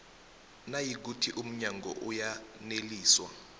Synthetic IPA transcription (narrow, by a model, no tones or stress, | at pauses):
najik̬utʰiʔum̩ɲaŋɡɔ̰ʔujaneliːswa